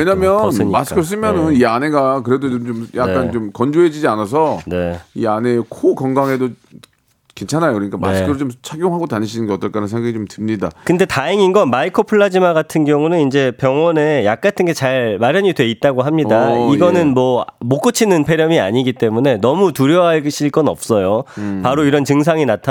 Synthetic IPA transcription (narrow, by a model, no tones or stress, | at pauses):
weɲamjʌnɯɲimasɯ̥kʰɯɭs̬͈ɯmjʌnɯniane̞ɡakɯɾe̞dot͡ɕomt͡ɕomja̰kk͈ant͡ɕomkʌnd͡ʑoɦed͡ʑid͡ʑianas̬ʰʌne̞iane̞kʰokʌŋɡaŋɦedo | kent͡ɕʰanajokɯɾʌɲik͈ama̰skʰɯɾot͡ɕomt͡ɕʰaɡjoŋɦaɡotaɲiɕʰinɯnɡʌʌt͈ʌɭk͈anɯnsʰeŋɡaɡit͡ɕomtɯmɲidakɯnde̞taeŋinɡʌnmaikʰopʰɯɭːad͡ʑimaɡatʰɯnɡjʌŋunɯnind͡ʑe̞pjʌŋwʌne̞jak̚k͈atʰɯnɡe̞t͡ɕaɭmaɾjʌɲidwe̞it̚t͈aɡoɦamɲidaiɡʌnɯnmwʌmok͈ɯt͡ɕʰinɯnpʰe̞ɾjʌmia̰ɲiɡit͈e̞mune̞nʌmutuɾjʌɦaɭɕʰiɭk͈ʌnʌp̚s͈ʌjopaɾoiɾʌnt͡ɕɯŋs̬ʰaŋinatʰa